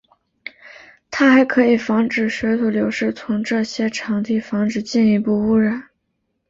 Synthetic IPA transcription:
t̪ʰa˥xa˧˥ɪkʰɤ˧˥i˨˩fɑ˧˥ŋʈ͡ʂɻ̩˨˩ɕɥɛ˧˥t̪ʰu˨˩ljo˧˥ʊʂɻ̩˥˩t͡sʰʊ˧˥ŋʈ͡ʂɤ˥˩ɕjɛ˥ʈ͡ʂʰɑ˧˥ŋt̪ʰi˧˥˩fɑ˧˥ŋʈ͡ʂɻ̩˨˧˩t͡ɕi˥˩ni˧˥˧pu˥˩u˥ɻə˨˩˦n

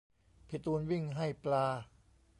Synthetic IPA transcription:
pʰi˨˩t̪uː˧nwi˥˩ŋɦa˥˩jplaː˧

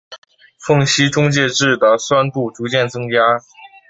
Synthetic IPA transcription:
fɤ˥˩ŋɕi˥ʈ͡ʂʊ˥ŋt͡ɕjɛ˥˧ʈ͡ʂɻ̩˥˩d̪ə˩swa˥npu˥˩ʈ͡ʂu˧˥t͡ɕjɛ˥˩nt͡sɤ˥ŋt͡ɕja˥

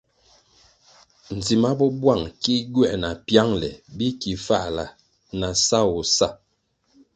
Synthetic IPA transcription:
n̩˨zi˨ma˦bɔ˦bwa˦˨ŋki˦ɡwɛ˦˨na˨pja˦ŋlɛ̰˨bi˦ki˨fa˦ʔla˨ | na˨sa˦wɔ˨sa˦˨

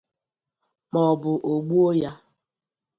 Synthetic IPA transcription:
mɔ˨bʊ˨ʔo˨ɡ͡bu˦o˦ja˦

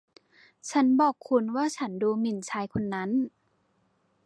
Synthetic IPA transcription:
t͡ɕʰa˦˥nbɔː˨˩kʰːu˧nwaː˥˩t͡ɕʰa˦˥nduː˧mi˨˩nt͡ɕʰaː˧jkʰo˧nːa˦˥n

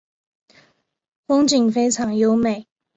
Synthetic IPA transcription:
fʊ˥ŋt͡ɕi˨˩ŋfe˥ɪʈ͡ʂʰɑ˨˥ŋjo˥ʊme˨˩˦ɪ

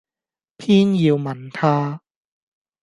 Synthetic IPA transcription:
pʰiː˥njiː˧wmɐ˨˧˥nt̪ʰaː˥

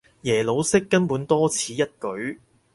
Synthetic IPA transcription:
jɛː˨˩lo˨˧wsɪ˥kːɐ˥npuː˨˥nt̪ɔː˥t͡sʰiː˨˥jɐ˥t̚kɵ˨˥ɥ

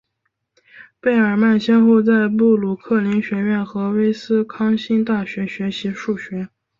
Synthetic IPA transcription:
pe˥˩ɪə˞˨˩ma˥˩nɕjɛ˥nxo˥˧ʊt͡sa˥˧ɪpu˥˩lu˨˩kʰɤ˥˩li˧˥ŋɕɥɛ˧˥ɥɛ˥˩nxɤ˧˥we˥ɪsɹ̩˥kʰɑ˥ŋɕi˥nt̪a˥˩ɕɥɛ˧˥ɕɥɛ˧˥ɕi˧˥ʂu˥˩ɕɥɛ˧˥

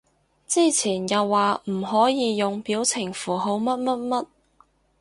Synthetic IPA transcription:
t͡siː˥˩t͡sʰiː˨˩njɐ˨wːaː˨m̩˨˩ɦɔː˨˥jiː˨˧jʊ˨ŋpiː˨˥wt͡sʰɪ˨˩ŋfuː˨˩ɦo˨˥wmɐ˥t̚mɐ˥t̚mɐ˥t̚

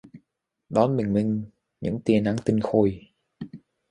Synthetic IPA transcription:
ɗɔ˨˦nɓï˨˩ŋ̟mï˧ŋ̟ | ɲɨ̰˧˥ŋt̪i˧ənʔa˧˥ŋt̪ï˧ŋ̟xo˧j

